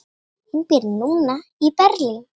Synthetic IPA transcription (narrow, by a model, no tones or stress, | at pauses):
ɪɲkɛɾnuːnaipɛɾlɪ